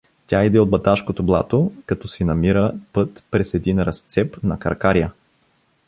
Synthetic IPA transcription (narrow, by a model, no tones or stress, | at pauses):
tʲaid̪ɛod̪bɐt̪aʃkot̪oblˠa̰t̪okɐt̪ɔsinɐmiɾəpɤt̪pɾɛsɛd̪inɾɐst̪sɛpnɐkɐ̰ɾkaɾijə